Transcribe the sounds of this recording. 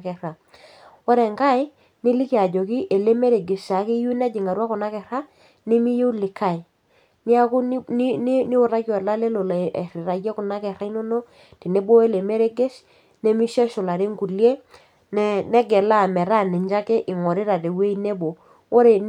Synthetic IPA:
kɛ˨ɾa˨ | wo˦ɾɛ˨ŋka˦˨ɪ˦ | nɪ˦li˦kja˨d͡ʒo˨ki˦ʔe˨le˦me˦ɾe˨ɡe˨ʃa˨˦ki˦ju˦nɛ˦d͡ʒi˨ŋa˨ɾwa˦kʊ˨na˦kɛ˨ɾa˦ | ni˦mi˦je˦lɪ˨kʰa˦˨ɪ˨ | mi˦a˦kʊ˦n˦n˦ni˦wʊ˨ɾa˦kjɔ˨ɛ˨la˦le˦lo˨la˨e˨ɾɪ˨ɾa˨kːɛ˦kʊ˨na˦kɛ˨ɾa˦i˦no˦no˦ | ti˨ne˦bo˦e˦˨le˨me˦ɾe˦ɡe˦ʃ | ne˦mi˦ʃɛ˦ʃʊ˨la˨ɾe˦ŋɡu˨lje˦ | n˦nɛ˦ɡɛ˨la˦˨mɛ˨ɾa˦˨nɛ˨ɲd͡ʒa˦ke˦ʔɪ˨ŋɔ˨ɾɪ˦ɾa˨te˨we˦i˦ne˦bo˨ | wo˦ɾe˨

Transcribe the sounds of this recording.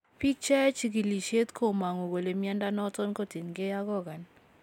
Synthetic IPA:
pi˦k̚t͡ʃa˦a˦t͡ʃi˦ɡi˨li˨ʃe˦t̪kʰo˦ma˨ŋo˨ɡo˨le˨mɪ˦a˦nda˦nɔ˦tɔ˦nko˦te˨nɡe˦ja˦ɡɔ˦ɡa˨n

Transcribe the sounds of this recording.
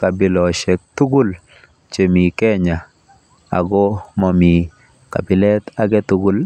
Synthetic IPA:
ka˨bɪ˨lɔ˨ʃɛ˨k̚t̪u˦ɡʊ˦l | t͡ʃe˨mi˨kɛ˦ɲa˨ | a̰˨ɡɔ˦mɔ˨mi˨ | ka̰˨bi˨lɛ˦t̪a˨ɡɛ˦t̪u˦ɡʊ˦l

